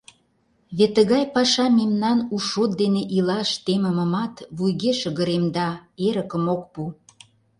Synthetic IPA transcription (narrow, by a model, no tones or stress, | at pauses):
βet̪ːəɣɑjpɑʃɑmemnɑnuʃot̪̚d̪eneʔilɑʃt̪emə̆mə̆mɑt̪βujɣeʃə̆ɣə̆ɾemd̪ɑeɾəkəmok̚pu